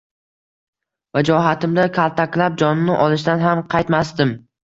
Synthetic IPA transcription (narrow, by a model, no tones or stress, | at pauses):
vad͡ʒɒɦat̪ɪmd̪akʰalˠt̪ʰakʲlap̚d͡ʒɒnnːɪʔɒlˠɪʃ̬d̪anɦamqʰɑjt̪masd̪ɪm